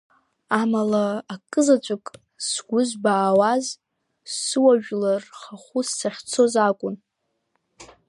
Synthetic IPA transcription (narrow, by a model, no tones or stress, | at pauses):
amalaːkʼɨzat͡ʃʷʼʊkʼ | sɡʷʊzbaːwaz | sɨwaʒᶣlarχaχʷusːaχʲt͡sʰo̞zakʷʼʊn